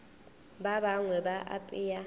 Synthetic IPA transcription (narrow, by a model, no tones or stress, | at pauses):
babaŋwɛbaʔa̰pʼɪja